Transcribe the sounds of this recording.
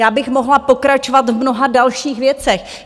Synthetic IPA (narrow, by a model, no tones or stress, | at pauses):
jaːbɪxmo̞ɦlapo̞kɾat͡ʃovat̪vmno̞ɦadalʃiːxvjɛt͡sɛx